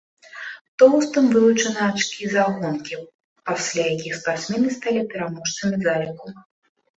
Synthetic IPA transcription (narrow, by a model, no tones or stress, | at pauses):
t̪ɔwst̪ɨmvɨlˠut͡ʂɐnɨat͡ʂkʲizaɣɔnkʲi | pasʲlʲajakʲixspart̪smʲɛnɨst̪alʲipʲɛɾamɔʂt̪sɐmʲizalʲɛku